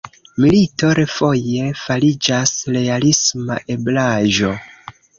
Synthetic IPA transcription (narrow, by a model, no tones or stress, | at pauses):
milito̞ɾe̞fo̞je̞faɾid͡ʒasɾe̞alisma̰ʔe̞blaʒo̞